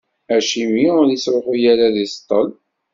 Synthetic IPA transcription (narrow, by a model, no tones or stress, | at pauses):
æʃimiʊɾisɾoqujaɾaðist̪ˤːəl